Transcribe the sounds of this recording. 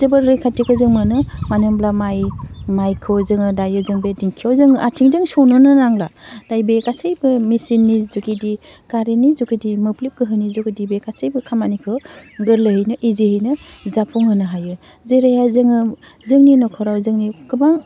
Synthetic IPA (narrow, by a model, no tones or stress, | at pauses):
zɯbɯɾɾɯjkʰatikʰɯzɯŋmɯnɯmanɯmblamajmajkʰɯwzɯŋɯdajɯzɯŋbediŋkʰijawzɯŋɯʔatʰiŋdɯŋsɔwnɯnɯnaŋlad̥ajbekasejbɯmisinːizukidi | kaɾenizukidimɯplip̚kɯɦɯnizukidibekasejbɯkʰamanikʰɯwɡɯɾlɯhɯjnɯʔiziɦinɯzapʰuŋɦɯnɯɦajɯ | zeɾajazɯŋɯ | zɯŋninɔkʰɔɾawzɯŋnikɯbaŋ